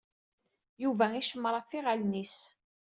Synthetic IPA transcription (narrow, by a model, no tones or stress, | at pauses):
juvæiʃəmːəɾˤɑfiʁælnis